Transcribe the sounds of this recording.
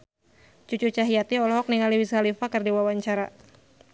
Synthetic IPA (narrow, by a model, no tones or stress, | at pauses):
t͡ʃut͡ʃut͡ʃaɦiat̪iɔlɔɦɔk̚niŋaliwishalifakərdiwawaɲt͡ʃaɾa